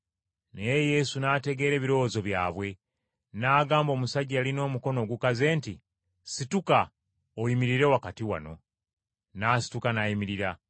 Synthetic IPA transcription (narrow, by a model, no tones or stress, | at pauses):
nejeje̞sunaːte̞ɡe̞ːɾe̞ːβiɾo̞ozo̞βjaːβwe̞ | naːɡaːmbo̞ːmusaɟaalino̞ːmuko̞no̞ːɡukaze̞ːnti | situka | ojimiɾiɾe̞wakatiwa̰no̞ | naːsi̥tukanajimiɾiɾa